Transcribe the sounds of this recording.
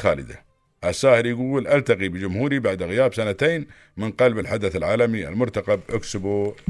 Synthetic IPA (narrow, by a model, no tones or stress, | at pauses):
xaːlɪ̰d̪a̰ | ʔasːaːhɪɾjɪɡuːlʔalt̪aqibɪd͡ʒʊmhuːɾibaʕd̪ɣɪjaːbsanat̪eːn | mɪnqɑlbɪlħad̪aθalʕaːlamia̰lmʊɾt̪aqabʔaksʊbu